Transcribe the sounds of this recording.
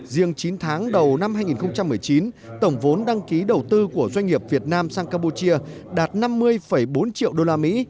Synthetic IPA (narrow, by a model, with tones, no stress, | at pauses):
zi˧əŋt͡ɕi˨˦nt̪ʰaː˨˦ŋɗə˨˩wna˧mhɦaː˧jŋi˨˩nxə˧ŋ͡mt͡ɕa˧mːɨ˨˩əjt͡ɕi˨˦nt̪ə˧˩wŋ͡mvo˨˦nɗa˧ŋki˨˦ɗə˨˩wt̪ɨ˧ku˧˩əzwa˧jŋ̟ŋi˨˩əp̚vi˨˩ət̚naː˧msaː˧ŋkaː˧pu˧t͡ɕi˧əɗaː˨˩t̚na˧mːɨ˧əjfə˧˩jɓo˨˦nt͡ɕḭ˧˨əwɗo˧laː˧mḭ˧˥